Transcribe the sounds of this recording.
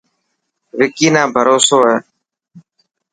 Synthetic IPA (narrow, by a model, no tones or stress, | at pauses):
ʋɪkiːnãːbʱəɾoːsoːɦɛː